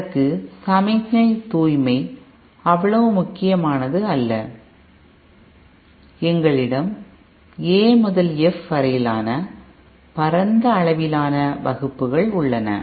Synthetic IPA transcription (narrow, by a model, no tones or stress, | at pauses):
ɐkːɯsɐmɐɪkːɐɪt̪uːjmɐɪ | ɐʋːɐɭɐʋɯmʊkːɪjɐmaːnɐðɯɐlːɐ | ɛŋɡɐɭɪɽɐm | eːmʊðɐlɛfʋɐɾɐjɪlaːnɐ | pɐɾɐnd̪ɐːɭɐʋɪlaːnɐʋɐɣɯpːɯɣɐɭʊɭːɐnɐ̰